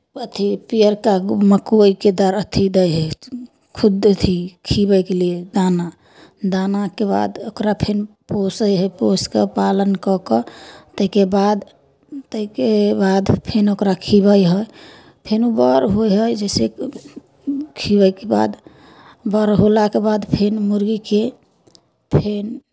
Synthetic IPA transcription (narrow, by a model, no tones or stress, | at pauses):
ət̪ʰipiəɾkaməkiked̪əɾət̪ʰid̪əjɦə | kʰud̪t̪ʰikʰibəjkelied̪ana | d̪anakeba̰d̪okɾapʰenposəjɦəjposkepalənkɔkɔt̪əikebad̪ | t̪əikebad̪pʰenokɾakʰiβəjɦəj | pʰenubɔɾɦojɦəjd͡ʒəse | kʰibəjkeba̰d̪ | bəɾɦolakebad̪pʰenmuɾɡike | pʰen